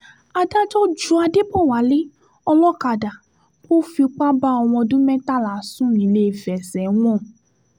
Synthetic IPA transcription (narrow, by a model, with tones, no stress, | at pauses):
a˧da˦d͡ʒɔ˦d͡ʒu˦a˧de˦bɔ˦˨wa˨˦le˦ | ɔ˧lɔ˦ka˨da˨ | bo˦fi˧k͡pa˦ba˦ɔ˧w̃ɔ̃˧dũ˦mɛ̃˦ta˦˨la˨˦sũ˦ĩ˨˦le˧˦˨fɛ˨sɛ˨˦w̃ɔ̃˦˨